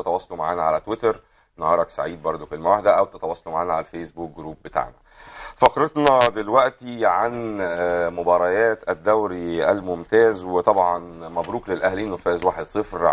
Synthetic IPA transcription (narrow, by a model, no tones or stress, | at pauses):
et̪æwɑːsˤːɑlumaʕaːnæʕalæt̪wet̪ɑɾ | nɑhɑːɾˤɑksa̰ʕiːd̪̚bɑɾˤd̪okelmæwaħd̪æʔæwt̪et̪æwɑːsˤːɑlmaʕaːnæʕalæfesbuːk̚ɡɾuːb̚bet̪a̰ːʕnæ | fɑxɾet̪ˤnɑd̪elwæʔt̪iʕan | mobɑːɾˤɑjæːt̪æd̪ːæwɾiʔælmomt̪æːzwet̪ˤɑbʕɑnmæbɾuːklelʔæhliːnːefæːzwaːħed̪sˤɨfɾ